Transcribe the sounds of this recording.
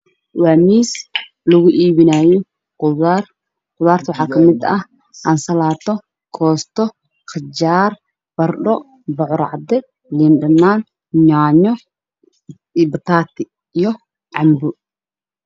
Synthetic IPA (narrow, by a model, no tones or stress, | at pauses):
waːmiːs | lʊɣʊʔiːβɪnaːjɔ | qʊar | qʊðaːrt̪ʰwɑħɑːkʰɐmɪd̪ɐh | ʔansɐlaːt̪ʰɔ | kʰɔːst̪ʰɔ | qɪd͡ʒaːr | b̥ɐrɖɔ | bɔʕɔɾɑ̰ʕd̪ɛ | liːndɐnːaːn | ɲaːɲɔ | bɐt̪ʰaːt̪ʰɪ | ijɔ | ʕɑmbʊ